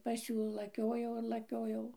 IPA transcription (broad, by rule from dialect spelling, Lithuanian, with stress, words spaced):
pɐs ˈjuː lˠɐˈkʲoːjɛʊ ɪr lˠɐˈkʲoːjɛʊ